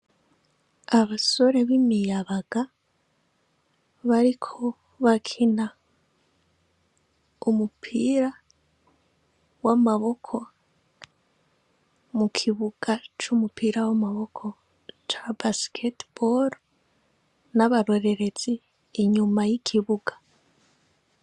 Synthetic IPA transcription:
aβaso̞ɾe̞βimijaβaɡ̥a | βaɾikʰo̞ | βakʰina | umupʰiɾa | wamaβo̞kʰo̞ | mukʰiβuɡ̥at͡ʃumupiɾawamaβo̞kʰo̞ | t͡ʃabasi̥kʰetb̥oɾ | naβaɾo̞ɾe̞ɾe̞t͡siː | ɲumajikʰiβuɡḁ

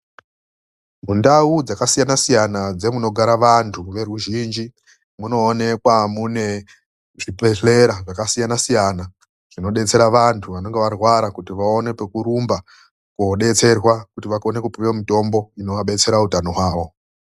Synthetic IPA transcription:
mundaud͡zakasijanasijanad͡ze̞muno̞ɡʱaɾaʋantʰuʋe̞ruʒiːnd͡ʒi | muno̞ːne̞kwamune̞ | ʐipe̞ɬe̞ɾaʐakasijanasijana | ʐ̥ino̞ɗe̞t͡se̞ɾaʋantʰuʋano̞ŋɡe̞ʋarwaɾakutiʋao̞ne̞pekuɾumba | kuoɗe̞t͡se̞rwakutiʋakonekupiwamito̞mbo̞ino̞ʋaɓe̞t͡se̞ɾautano̞ɦwaːʋo̞

